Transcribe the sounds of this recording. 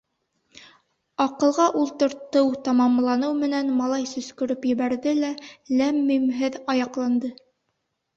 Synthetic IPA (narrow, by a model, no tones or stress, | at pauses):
ɑqɤ̆lˠʁɑʔulˠt̪ɤ̆ɾt̪ɤwt̪ɑmɑmlˠɑnɤwmɘ̆nænmɑlˠɑjsɵ̆skɵ̆ɾɵpjɘ̆βæɾðɘlælæmːimɦɘðɑjɑqlˠɑnd̪ɤ